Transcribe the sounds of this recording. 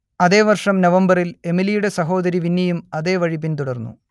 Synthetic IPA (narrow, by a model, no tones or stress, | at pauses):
ɐðe̞ːʋɐrʂɐmnɐʋɐmbɐrile̞milijuɽe̞sɐɦo̞ːd̪ɐɾiʋinːɐjumɐðe̞ːʋɐɻip̬ːint̪uɽɐrnːṵ